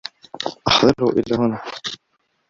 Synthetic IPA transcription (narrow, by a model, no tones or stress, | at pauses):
ʔɑħðˤɑɾhṵʔɪ̰lːahʊna